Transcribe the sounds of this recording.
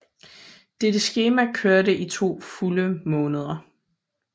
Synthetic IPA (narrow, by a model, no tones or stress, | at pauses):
d̥ed̥əsɡ̥e̝ːmækʰøɐdəʔit͡sʰo̝̰ːfuləmɔ̽ːnəð̞ˠɐ